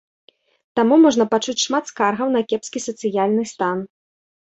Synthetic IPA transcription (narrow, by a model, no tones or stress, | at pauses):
t̪amumɔʐnɐpat͡ʂut͡sʲʂmat̪skarɣɐwnɐkʲɛpskʲisɐt̪sɨjalʲnɨst̪an